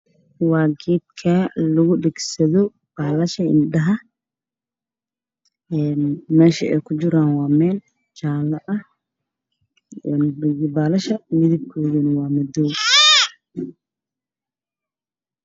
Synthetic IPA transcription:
waːɡiːd̪kʰɐlʊɣʊɗɛɡsɐðɔ | b̥aːlɐʃɐɪ̰nɗɐɦɐ | ɛnmɛːʃɐɛ̰jkʰʊd͡ʒɪɾaːnwaːmɛːl | t͡ʃaːlɐʔɐ | nbaːlɐʃɐmɪðib̚kʰɔːðɐnɐwaːmɐd̪ɔː

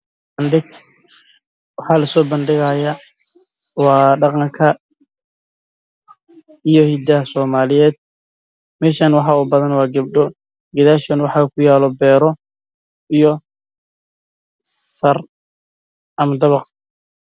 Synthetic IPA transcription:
bɐndɪɡ | wɑħɑːlɐsɔːbɐnɖɪɣaːja | wɑːɖɑqɑŋkʰɐ | ijɔhid̪ɐsɔːmaːlɪjɛːd̪̥̚ | mɛːʃaːnwɑħɑːuːbɐðɐnwɑːɡɐb̚ɖɔ | ɡɐðaːʃɔnwɑħɑːkʰʊjaːlɔbɛːɾɔ | ijɔ | sɐr | ʔɐmɐd̪ɐβɑq

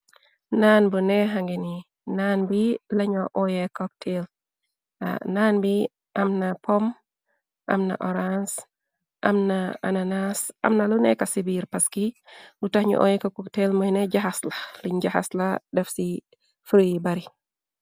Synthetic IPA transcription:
nanbunɛɦaŋɡeni | nanbilaɲɔʔɔjekɔk̚tʰel | a̰naːnbi | ʔamnapɔm | ʔa̰mna̰ʔɔɾans | ʔa̰mnaa̰nanasa̰mnalunɛkasibiɾpaskilutahɲɔ̰ʔɔ̰jɛkakɔktelməjnɛɟaxaslaliɲd͡ʒaha̰sladɛfsi | fɾjibaɾi

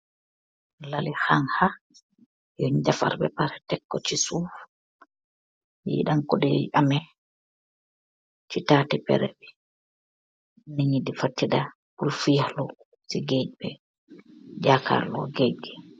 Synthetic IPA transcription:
lalihaŋha | jɔɲd͡ʒafa̰ɾbɛ̰paɾɛtɛkːɔt͡ʃisuf | jɛ̰iɗamkɔɗɛʔamɛ | t͡ʃitaːtɛpɛ̰ɾɛ̰bɛ | niɲidifatːiɗa | buɾfialɔ | siɡed͡ʒbɛ | d͡ʒaka̰ɾlɔ̰ɡed͡ʒɡɛ

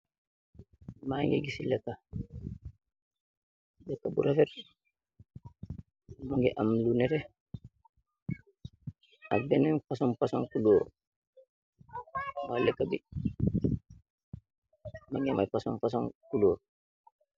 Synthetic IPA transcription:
maŋɡɛ̰ɡisilɛkːa | bɛkːabṵɾafɛɾ | muŋɡɛʔamlunɛɾɛ | abɛnɛnfasɔnpasaŋkulɔːɾ | walɛkːabḭ | maŋɡɛma̰jpasɔ̰nfas̬ankulɔːɾ

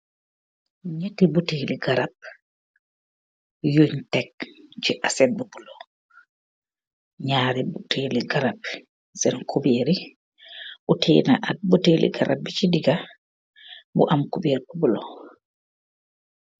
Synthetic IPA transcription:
ɲetibuteliɡaɾab̚ | juɲtɛk̚d͡ʒɛʔasɛt̚bubulɔ | ɲaːɾibutʰeːliɡaɾab̚ | sɛnkʰubeːɾi | ʔutʰḛna̰ʔabuteːlḭɡaɾʔa̰b̚ːit͡ʃidiɡa | bṵʔamkubeːɾbubulɔ

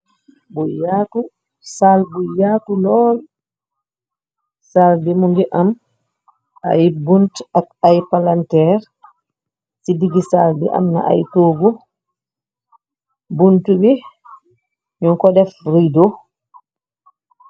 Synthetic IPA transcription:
bujatu | salbujaːtulɔːl | saldimuŋɡɛʔam | a̰jbuntakajpalantɛɾ | sidiɡisaldɛ̰ʔa̰mna̰ʔa̰jtoːɡu | buntubɛ | ɲɔŋkɔdɛfɾido

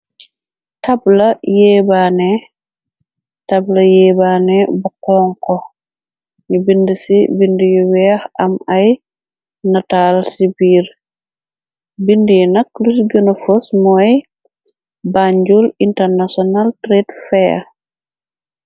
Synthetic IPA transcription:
tablajɛbanɛ | tablɐjɛːbanɛbakɔŋkɔ | ɲubindisibindijɔwɛahamaj | natalsibiːɾ | bindijnaklusɡunɔfɔsmɔj | baɲd͡ʒulintɛɾnasɔnaltɾetfɛ

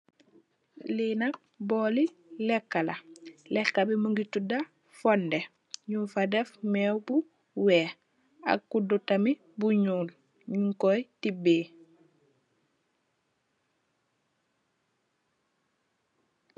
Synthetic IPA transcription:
liːnak̚ | bɔːlilɛkːalalɛkːabimuŋɡituda | fɔnde | ɲufadɛfmɛwbu | wɛ | a̰kːudutami | buɲuːl | ɲuŋkɔjtibeː

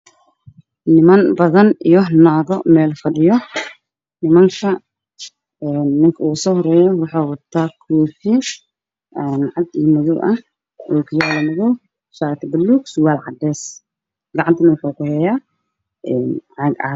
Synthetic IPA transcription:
nɪmɐnbɐðɐnijɔnaːðɔmɛːlfɐɖɪjɔ | nɪmɐŋkʰɐ | ɛːnːɪŋkʰɐuːsɔːhɔɾɛːjɔwɑħaːwɐt̪ʰaːkʰuːfɪ | ɛnʕɑd̪iːmɐðʊʔɐh | ɔːkʰʊjaːlɐmɐðɔ | ʃaːt̪ʰɐbɐlːuːkswaːlʕɑd̪ɛːs | ɡɐʕɑnt̪ʰɐnɐwɑħuːkʊhɛjaː | ʔɛnʕɑɡɐ̰

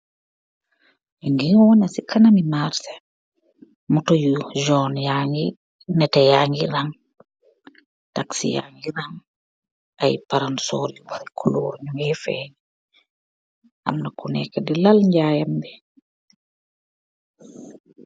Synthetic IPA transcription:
ɛŋɡiŋwɔnasikʰanamimaɾsɛ̥ | mutojuʒɔnjaŋɡi | nɛtɛjaŋɡiɾaŋ | taksḭja̰ŋɡiɾaŋ | ajpaɾansɔɾuwaɾikʰuluwɔɲuŋɛfɛ̰ːɲ | ʔa̰mnakunɛ̰kːadilalɲɟajambi

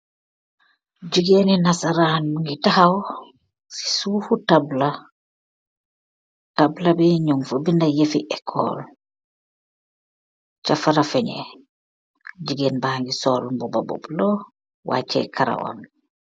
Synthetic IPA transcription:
d͡ʒiɡeninasaɾanuŋɡitahaw | si̥suːfutabla | tablabiɲuŋfobindajefḭʔɛkʰːɔ̰ːl | t͡ʃafaɾafɛɲɛ̰ | d͡ʒiɡeːnbaːŋɡisɔːlmbɔbɔbɔ̰blɔ | wʔa̰t͡ʃːɛ̰kʰaɾa̰wɔ̰n

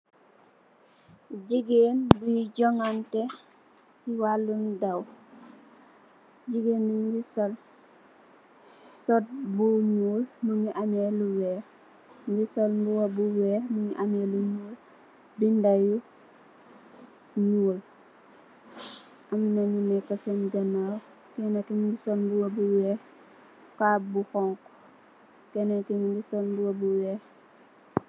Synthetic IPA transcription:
ɟiɡeːnbujiɟɔŋantɛ | siwalːundaw | ɟiɡeːnbumɡisɔl | sɔt̚buɲuːlnuŋiʔameluwɛː | mɡisɔlmbuwabuwɛːmuŋiʔameluɲuːl | bindaju | ɲuːl | ʔɐmnɐɲunɛkːɐsɛnɡɐnaw | kɛnɛkimundisɔlmbuwɐbuwɛː | kabuxɔŋkɔ | kɛnɛkimundisɔlmbuwɐbuwɛː

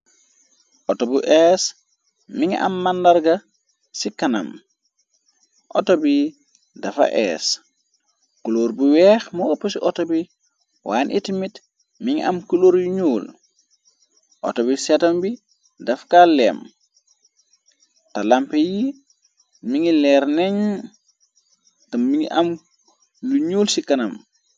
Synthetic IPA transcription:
ʔɔtobuʔɛːs | miŋ̰ʔa̰mːandaɾɡa | sikana̰m | ʔɔ̰tobi | dafa̰ʔɛ̰ːs | kuloɾbuwɛːxmɔopːosiʔɔtobi | waːnʔḭtimit | miŋiʔɐ̰mkuloɾjuɲuːl | ʔɔ̰tobisatɐmbi | dɐfkalɛ̰ːm | talampeji | miŋilɛːɾneɲ | tɐmiŋiʔɐm | luɲuːlsikɐnɐm

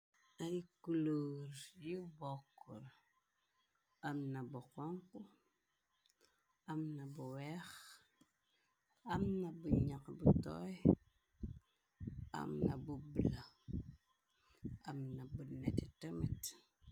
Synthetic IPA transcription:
aɾikuluɾjibokːuɾ | amnabukoŋku | amnabuwex | amnabuɲakbutɔ̰j | a̰mnabubla | amnabunetitəmit

